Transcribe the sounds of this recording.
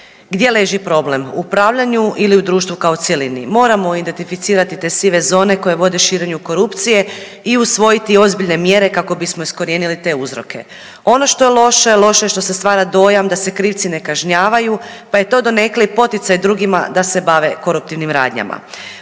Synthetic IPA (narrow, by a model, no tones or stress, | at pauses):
ɡd̪je̞le̞ʒipɾo̞ble̞muupɾaːʋʎaɲuʔiliud̪ɾuːʃt̪ʋukaot̪sjelinḭmo̞ːɾamo̞id̪e̞nt̪ifit̪siːɾat̪it̪e̞siʋe̞zo̞ːne̞ko̞je̞ʋo̞d̪eʃiːɾe̞ɲuko̞ɾupt̪sije̞ | iusʋo̞jit̪io̞zbiʎne̞mje̞ɾe̞kako̞bismoisko̞ɾjeːnilit̪e̞uzɾo̞̰ke̞̰ | o̞no̞ʃt̪o̞jelˠo̞ʃojelˠo̞ʃe̞ʃt̪o̞sest̪ʋaːɾad̪o̞jamd̪ase̞kɾiːʋt̪sine̞kaʒɲaːʋaju | paje̞t̪o̞ːd̪o̞ne̞klipo̞t̪it̪sajd̪ɾuːɡima̰d̪ase̞baʋeko̞ɾup̚t̪iʋnimɾa̰ːd̪ɲa̰ma̰